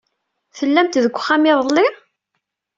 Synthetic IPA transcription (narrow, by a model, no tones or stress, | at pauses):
θəlːæmt̪ðəɡʷːχːæmiðˤəlːɪɾ